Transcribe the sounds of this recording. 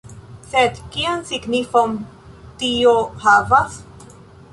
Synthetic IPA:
sed̪kiansiɡnifon | tiohavas

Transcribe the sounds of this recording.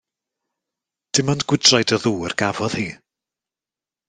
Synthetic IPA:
d̥ɪmanɡ̥wɪdrajdəðuːərɡ̥avɔð̥hiː

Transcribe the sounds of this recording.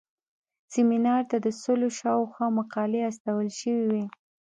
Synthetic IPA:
sɪminɑɾt̪ad̪əsoloʃɑwxwɑmaqɑleast̪awəlʃəwiwi

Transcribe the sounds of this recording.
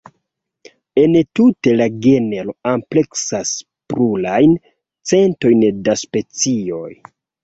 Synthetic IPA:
e̞ntute̞laɡeneloample̞ksas | pɾulajn | t͡se̞nto̞jndaspe̞t͡sio̞j

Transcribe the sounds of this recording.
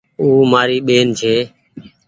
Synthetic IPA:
uːmaːɾiːɓeːnt͡ʃʰeː

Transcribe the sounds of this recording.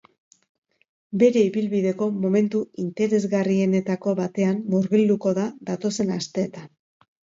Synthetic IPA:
be̞ɾe̞iβilβiðe̞ko̞mo̞me̞nt̪uint̪e̞ɾe̞zɣarie̞ne̞t̪ako̞βat̪e̞anːoɾɣild̪uko̞ðaðat̪o̞se̞nast̪e̞ːt̪an

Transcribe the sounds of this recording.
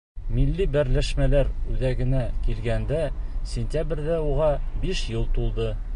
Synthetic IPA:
milːibæɾlæʃmælæɾʉðæɡɘ̆nækilɡænd̪æsʲɪnʲt̪ʲabrʲðæuʁɑbiʃjɤlˠt̪ulˠd̪ɤ

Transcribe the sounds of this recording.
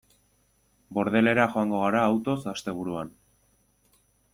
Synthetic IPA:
bo̞ɾð̞e̞le̞ɾaxo̞aŋɡo̞ɣ̞aɾaːwt̪o̞sast̪e̞β̞uɾuan

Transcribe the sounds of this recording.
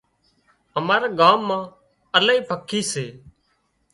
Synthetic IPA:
əmaːɾeːɡaːmːãː | əlaːiːpʰəkʰiːseː

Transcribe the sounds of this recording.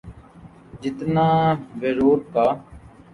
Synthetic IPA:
d͡ʒɪt̪naːʋeɾoːd̪̚p̪aː

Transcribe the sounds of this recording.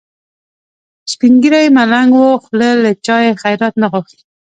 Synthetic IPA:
spiŋɡiɾajmalaŋɡwoxlələt͡ʃɑjexajɾat̪naɣʊxt̪i̥

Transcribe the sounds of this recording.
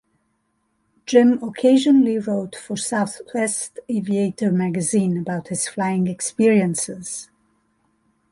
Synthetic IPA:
d͡ʒɪ̃məkʰeɪʒə̃nəliɹoʊtfə˞saʊθwɛstevieɪtə˞mæɡɨzĩːnəbaʊt̚hɨz̥flaɪɪ̃ŋɛkspiɹiə̃nsɪz̥

